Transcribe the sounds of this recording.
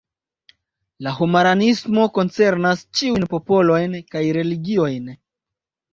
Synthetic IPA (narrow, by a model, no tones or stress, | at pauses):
lahumaɾanismo̞ko̞nt͡se̞ɾnast͡ʃiujnpo̞po̞lo̞jnkajɾe̞liɡio̞jn